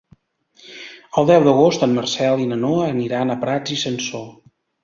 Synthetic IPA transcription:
əlˠd̪ɛwd̪əɣost̪əmːərsɛlˠinənoəniɾanəpɾad͡zisənso

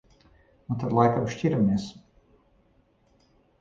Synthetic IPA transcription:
unt̪ad̪lˠajkamʃcʲiɾamis

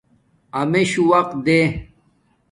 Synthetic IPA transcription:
ɐmeɕuwɐq̪̚d̪e

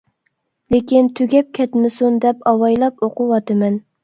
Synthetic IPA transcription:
lekʲint̪ʰyɡʲɛp̚kʲʰɛt̪mɪsund̪ɛpɑwɑjlˠɑpoqʰʊwɑt̪ʰɨmɛn

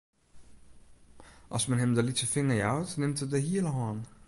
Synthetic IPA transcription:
ʔɑsmɛnɦɛmdəlitsəfɪŋəɹjawtnɪmtədəɦiələɦɑːn

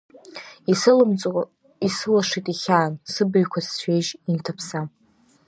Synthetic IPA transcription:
mʼ | isɨlaʂitʼiχʲaːnsɨbɨɥkʷʰast͡ɕʰʷᶣejʒintʰapʰsa

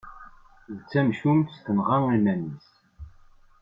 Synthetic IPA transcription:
ðt͡sːæmʃumt̪st̪ənʁaŋinænis

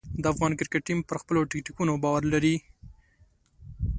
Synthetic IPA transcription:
d̪əafɣɑnkɪɾkeʈ̚ʈːimpəɾxpəloʈɪkʈikunobɑwaɾlaɾi

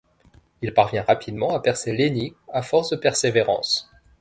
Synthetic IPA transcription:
ilpaʁvjɛ̃ʁapʰid̪mɑ̃apɛʁseleniɡafɔʁsd̪əpɛʁseveʁɑ̰̃s

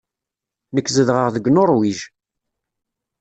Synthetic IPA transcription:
nəkːzəðʁəʁðəɡnoɾˤwiʒ

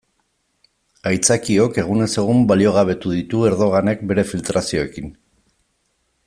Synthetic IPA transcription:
ajt͡sakio̞ke̞ɣ̞une̞se̞ɣ̞umbalio̞ɣ̞aβ̞e̞t̪uðit̪ue̞ɾðo̞ɣ̞ane̞k̚be̞ɾe̞filt̪ɾasio̞e̞kin

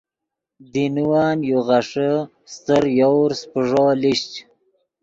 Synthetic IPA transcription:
d̪inuwaːnjoɣaʂə | st̪əɾjawɾspəʐoliɕt͡ʃ

